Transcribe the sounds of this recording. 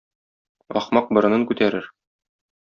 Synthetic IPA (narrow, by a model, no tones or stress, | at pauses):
ɒχmɑq̚bɤ̆ɾɤ̆nɤŋkʉt̪æɾɘɾ